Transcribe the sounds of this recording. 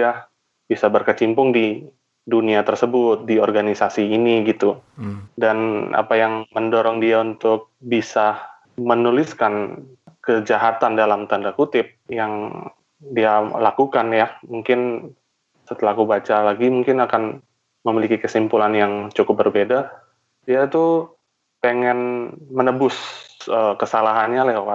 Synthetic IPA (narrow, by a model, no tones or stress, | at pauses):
a | bisabərkət͡ʃimpʊŋdi | duniat̪ərsəbʊt̪̚diɔrɡanisasiːniɡit̪udana̰pajaŋməndɔɾɔŋdiaunt̪ʊk̚bisa | mənulɪskan | kəd͡ʒaɦat̪andalamt̪andakut̪ɪp̚jaŋ | dialakukanjamuŋkɪn | sət̪əlahkubat͡ʃalaɡimuŋkɪnakan | məmilikikəsimpulanjaŋt͡ʃukʊp̚bərbeda | diait̪u | peŋɛnmənəbʊsəːkəsalaɦanɲalakaa